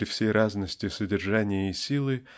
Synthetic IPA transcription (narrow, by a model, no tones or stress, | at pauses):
ɾʲɪfsʲejraznəsʲtʲɪsədʲɪrʐanʲɪjəisʲilˠɨ